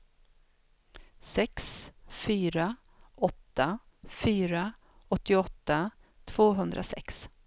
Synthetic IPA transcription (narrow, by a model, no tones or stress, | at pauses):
sɛksfyːɾa | ɔt̪ːa | fyːɾa | ɔt̪ːɪɔt̪ːa | t̪ʰv̥oːɦɵnd̪ɾʔa̰sɛ̰ks